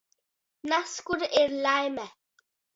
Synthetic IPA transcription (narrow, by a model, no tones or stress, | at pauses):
naskʊɾɪɾlajmɛ